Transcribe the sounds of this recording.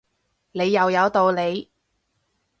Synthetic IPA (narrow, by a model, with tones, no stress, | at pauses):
ne˨˧jːɐ˨wjɐ˨˧wt̪o˧wle˨˧j